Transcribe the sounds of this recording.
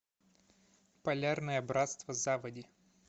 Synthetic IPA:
pɐlʲarnəjəbɾat̪st̪vəzavədʲɪ

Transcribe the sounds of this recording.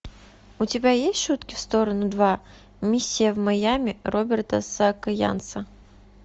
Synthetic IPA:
ʊtʲɪbʲajesʲtʲʃut̪kʲɪfst̪oɾənʊd̪va | mʲisʲːɪjəvmɐjamʲɪrobʲɪrt̪əsɐkɐja̰nt̪sə

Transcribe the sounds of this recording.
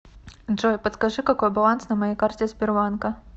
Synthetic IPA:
ʐɔjpɐt̪skaʐɨkakɔjbalˠansnɐmajɛkart͡sʲɛzʲbʲɪrvankɐ

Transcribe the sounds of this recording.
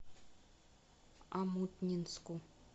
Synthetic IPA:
amut̪nʲinsku

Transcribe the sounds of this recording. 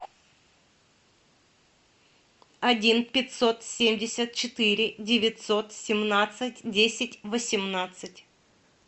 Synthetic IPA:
ɐdʲinpʲɪt̪ʲso̞t̪sʲemʲdʲɪsʲət̪̚t͡ɕɪt̪ɨɾʲɪdʲɪvʲɪt̪ʲsot̪sʲɪmnat̪sɨtʲdʲesʲɪtʲvəsʲɪmnat̪sɨtʲ

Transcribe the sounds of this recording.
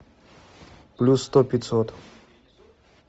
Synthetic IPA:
plʲusːt̪opʲɪt̪sot̪

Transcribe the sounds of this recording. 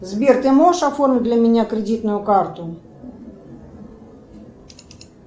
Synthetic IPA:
zbʲirt̪ɨmɔʂafɔrmʲɪd̪lʲɐmʲɪnʲakɾʲɪdʲit̪nʊjʊkart̪ʊ

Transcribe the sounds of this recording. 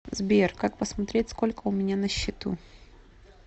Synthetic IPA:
zbʲerkak̚pəsmɐt̪ɾʲetʲsko̞lʲkəʊmʲɪnʲanəɕːɪt̪ṵ

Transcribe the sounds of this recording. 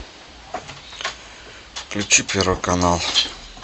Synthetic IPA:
klip̚t͡ɕʰipʰeɾokanal

